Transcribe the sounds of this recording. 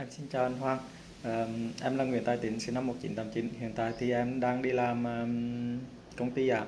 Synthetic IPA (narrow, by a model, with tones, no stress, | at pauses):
ʔɛ˧msi˧nt͡ɕaː˧˩wʔa˧nɦwaː˧ŋ | ʔəː˨˩ʔɛ˧mlaː˨˩ŋw̰ənt̪aː˧˩jt̪i˨˦ŋsɨ˨˦na˧mːo˨˩t̚t͡ɕḭ˧˦nt̪ə˨˩mt͡ɕi˧˦nhḭ˧˨ənt̪a̰ː˧˨jt̪ʰi˨˩ʔɛ˧mɗaː˧ŋɗi˧laː˨˩mʔəː˨ | kə˧wŋ͡mt̪i˧ʔaː˧˩